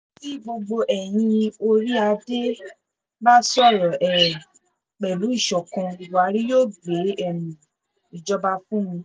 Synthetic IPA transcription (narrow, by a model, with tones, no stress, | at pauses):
ti˦ɡ͡bo˧ɡ͡bo˧ʔɛ˨j̃ĩ˧o˧ɾi˦a˧de˦ | ba˦sɔ˦˨ɾɔ˨ʔɛ˨ | k͡pɛ˨lu˨˦i˦˨ʃɔ˨kɔ̃˧i˨wu˨a˨˧˦ɾi˦joː˦˨ɡ͡be˨˦ɛ˦˨mĩ˨ | i˨d͡ʒɔ˦ba˧fũ˦mĩ˧